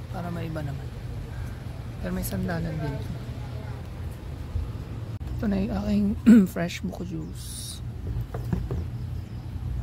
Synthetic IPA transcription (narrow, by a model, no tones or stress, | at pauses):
paːɾɐmɐʔɪbanɐman | pɛːɾomɐjsɐnd̪aːnɐnd̪ɪnt̪ | ʔɛt̪onɐjʔaːkɪŋfɾɛʃbʊkɐd͡ʒus